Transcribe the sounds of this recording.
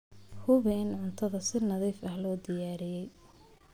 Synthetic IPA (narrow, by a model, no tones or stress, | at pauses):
hʊβɛːnʕʊnt̪ʰɐðɐsɪnɐðiːfɐhlɔːd̪ɪjaːɾɪjɛj